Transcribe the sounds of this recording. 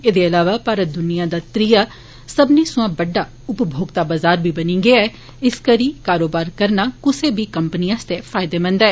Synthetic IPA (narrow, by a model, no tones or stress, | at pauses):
eːd̪eːəlaːʋaːpaːɾəd̪ʊnijãːd̪aːt̪ɾijaː | səbniːsʊãːbəɖːaː | ʊpbʱoːɡt̪aːbazaːɾbiːbənĩːɡeɛː | ɪskəɾiːkaːɾoːbaːɾkəɾnaːkʊseːbiːkəmpəniãːst̪eːfʰaːɪd̪eːmə̃nd̪aɛː